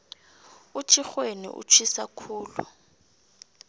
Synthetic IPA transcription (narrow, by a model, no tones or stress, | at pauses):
ut͡ʃʰixwenḭʔṵt͡ʃʰwisakʰuːlṵ